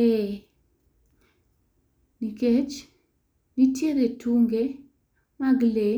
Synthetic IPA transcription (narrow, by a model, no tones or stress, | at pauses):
e | niket͡ʃ | nitjeɾetʰuŋɡe | maɡle